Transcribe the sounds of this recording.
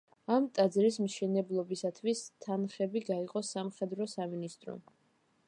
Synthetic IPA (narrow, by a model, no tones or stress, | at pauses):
amt̪ʼad̪zɾismʃɛnɛblˠɔbisat̪ʰwist̪ʰanχɛbiɡaiqʼɔsamχɛd̪ɾɔsaminist̪ʼɾɔ̰